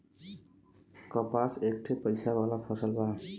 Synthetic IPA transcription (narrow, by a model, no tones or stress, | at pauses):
kɔpasek̚ʈʰepʌjsabalapʰɔsʌlba